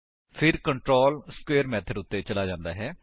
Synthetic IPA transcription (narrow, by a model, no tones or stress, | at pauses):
pʰɪɾkəɳʈɾoːlskweːəɾmɛːt̪ʰəɖʊt̪ːeːt͡ʃəlaːd͡ʒãːnd̪a̰ːɦɛː